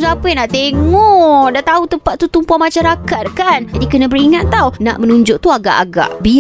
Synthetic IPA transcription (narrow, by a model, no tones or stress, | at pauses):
zapəjnaʔt̪eŋɔdaʔt̪aut̪əmpat̪ːut̪umpuamat͡ʃaɾakat̪̚kand͡ʒadikənãbəɾiŋat̪ːawna̰ʔmənũɲd͡ʒʊʔt̪uaɡa̰ʔa̰ɡa̰ʔbi